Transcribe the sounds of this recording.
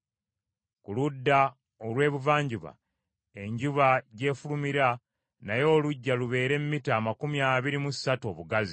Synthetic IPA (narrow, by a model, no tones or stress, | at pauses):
kuludːa | olwe̞ːβuvaːɲɟuβa̰ | e̞ɲɟuβaɟe̞ːfulumiɾa | najo̞ːluɟːaluβe̞ːɾe̞mmːitaːmakumiaːβiɾimusːatuo̞ːβuɡazi